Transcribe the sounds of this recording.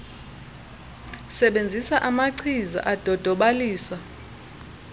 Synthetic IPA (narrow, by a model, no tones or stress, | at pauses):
sɛɓend͡zʱisaʔamaǀʰiza̰ʔad̥ʱɔd̥ʱɔɓaliːsa